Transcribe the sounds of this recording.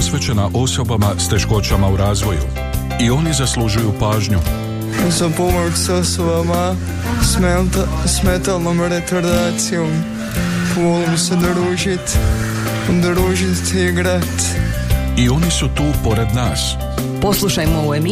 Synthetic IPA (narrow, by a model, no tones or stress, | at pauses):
osʋet͡ʃenaʔo̞so̞bamast̪e̞ʃko̞t͡ʃamauɾaːzʋo̞jṵ | io̞nizaslˠuʒujupaːʒɲu | uzapomoɾku̥sosobama | s | smet̪alˠnomɾek̪oɾd̪at̪siom | polˠmsed̪ɾuʒit̪ | d̪ɾuʒit̪iɡɾat̪ | io̞nisut̪uːpo̞ɾed̪naːs | poslˠuʃajmouem